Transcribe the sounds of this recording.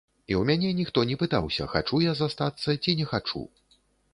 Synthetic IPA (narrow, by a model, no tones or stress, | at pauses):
iwmʲanʲɛnʲixt̪ɔnʲɛpɨt̪a̰wsʲɐ̰xa̰t͡ʂujazast̪at̪sːɐt͡sʲinʲɛxat͡ʂṵ